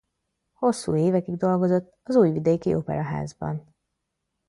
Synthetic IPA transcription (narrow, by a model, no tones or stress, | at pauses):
ho̞sːṵːeːvɛkiɡd̪o̞lɡo̞zo̞t̪ːɒzuːjvid̪eːkiʔopɛ̰ɾɒɦa̰ːzbɒ̰n